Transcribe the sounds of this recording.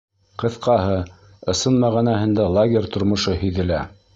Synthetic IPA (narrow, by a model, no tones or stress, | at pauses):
qɤ̆θqɑɦɤ | ɤ̆sɤnmæʁænæhɘ̆nd̪ælˠaɡʲerʲt̪ŏɾmŏʃɤhɵ̆jðɘ̆læ̰